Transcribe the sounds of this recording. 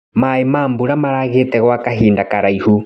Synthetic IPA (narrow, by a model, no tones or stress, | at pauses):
maimaːmbuɾamaɾaɣetɛɣwakaɦiːndakaɾaihu